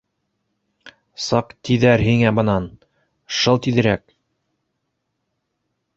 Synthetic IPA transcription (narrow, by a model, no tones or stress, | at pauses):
sɑqt̪iðæɾɦiŋæbɤ̆nɑn | ʃɤlˠt̪iðɘ̆ɾæk